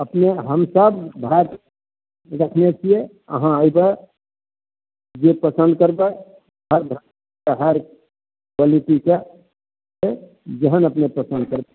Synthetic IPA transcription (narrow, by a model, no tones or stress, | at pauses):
əpneɦəmsəbbʱaɾ | ɾəkʰnet͡ʃʰije | ə̰ɦãəɪbe | d͡ʒepəsənd̪̚kəɾbɛ | ɦəɾbʱ | eɦəɾ | bəlit̪ike | e | d͡ʒeɦənəpnepɾəsə̃nd̪̚kəɾbɛ